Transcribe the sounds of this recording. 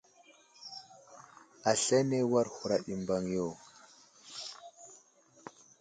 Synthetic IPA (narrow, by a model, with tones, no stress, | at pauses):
a˨ɬa˦ne˦wa˦ɾxu˨ɾa˨ɗi˨mba˨ŋjo˦˨